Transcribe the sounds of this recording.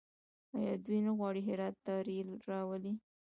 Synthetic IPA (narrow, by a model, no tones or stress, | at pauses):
ɑjɑd̪ujnaɣwɑɽiɦɪɾɑt̪ːɑɾilɾɑwəli